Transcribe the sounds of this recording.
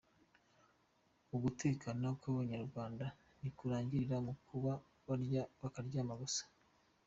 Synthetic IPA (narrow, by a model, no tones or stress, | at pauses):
uɡuteːkanakwaːβaɲaɾɡwaːnda | nikuɾaːɲɟiɾiɾamukʰuβa | βaɾaβakaɾɟaːmaβosḁ